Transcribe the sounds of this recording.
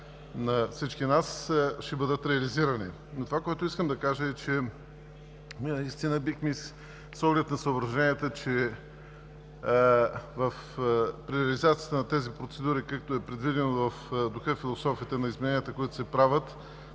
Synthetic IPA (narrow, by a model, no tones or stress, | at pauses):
nɐfsit͡ʃkinasʃɛbəd̪ət̪ɾɛɐliziɾɐnḭ | not̪ovakoɛt̪ʊiskəmd̪ɐkaʒəɛt͡ʃɛ | mʲinɐist̪inəbixmi | sɔɡlɛt̪nɐsəobɾɐʒɛnʲiət̪ət͡ʃɛ | vɐfpɾilizat̪sijət̪ənɐt̪ɛzipɾot̪sɛd̪uɾikakt̪oɛpɾɛd̪vid̪ɛnovɐfd̪ʊxɤfilˠosɔfiət̪ɛnɐizmɛnɛnijət̪əkoit̪ʊ̥sɛpɾavət̪